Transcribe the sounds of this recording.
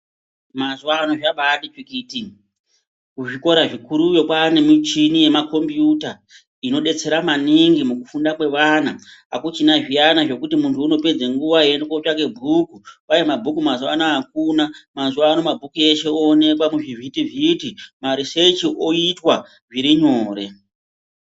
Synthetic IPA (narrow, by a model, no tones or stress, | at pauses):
mazuwaːnoʐaɓaɗit͡ʃwikiːti | kuʐiko̞ɾaʐikuɾujo̞kwaːne̞mit͡ʃinije̞mako̞mbjuta | ino̞ɗe̞t͡se̞ɾamaniŋɡimukufundakwe̞ʋanaːkut͡ʃinaʐijanaʐe̞kutimuntʰuːno̞ped͡zeŋɡuʋaienekot͡ʃake̞bʱukuʋajemabʱukumazuanaakunamazuaːno̞mabʱukueʃe̞oːne̞kwamuʐivitivitimaɾiset͡ʃiʔo̞itwa | ʐiɾiɲo̞ːɾe̞